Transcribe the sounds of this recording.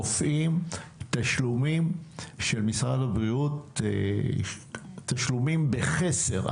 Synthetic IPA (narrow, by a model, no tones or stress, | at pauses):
ofʔimt̪aʃlumimʃe̞lmisʁadabʁiut̪ | aʃlumimbeχesḛʁ